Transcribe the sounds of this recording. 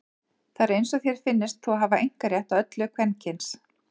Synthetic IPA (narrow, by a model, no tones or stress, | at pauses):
θaɾejnsɔθjɛɾ̥fɪnːɪst̪θɔaɦaːvaʔejŋ̥kaɾjɛht̪aðœt̪lʏkʰvɛncʰɪns